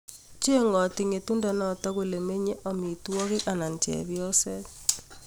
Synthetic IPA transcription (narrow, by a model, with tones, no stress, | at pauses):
t͡ʃe˦ŋɔ˨tɪ˨ŋe˨tu˦nda˨nɔ˨tɔ˦ku˨le˨me˦ɲe˦ʔɔ˨mi˨twɔ˦kɪ˦ka˨na˨ntjɛ̰˨bjɔ˦sɛ˦